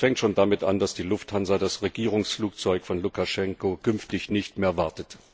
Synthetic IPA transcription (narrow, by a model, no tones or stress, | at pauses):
fɛŋktʃoːndamɪta̰ndasd̥iːlʊfthanzɐdasʁeɡiːʁ̞ʊŋsfluːk̚t͡sɔʏkfɔnlukaʃɛŋkokʰʏnftɪçnɪçtmeːɐvaɐtət